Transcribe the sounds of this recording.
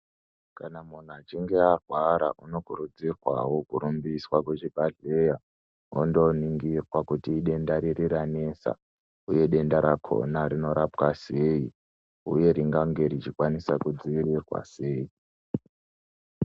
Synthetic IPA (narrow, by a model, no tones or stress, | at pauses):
kanamun̤uat͡ʃiŋɡe̞arwaɾa̰ʔuno̞kurud͡zirwa̰wokuɾumbiswakut͡ʃibʱaɮeja | o̰ndo̞niŋɡirwakutiːɗe̞ndaɾirirane̞ːsa̰ | uje̞ɗe̞ndaɾakʰo̞̰narino̞ɾapwaseji | uje̞ɾiŋɡaŋɡe̞ɾit͡ʃikwanisakud͡ziʋirirwa̰se̞ːi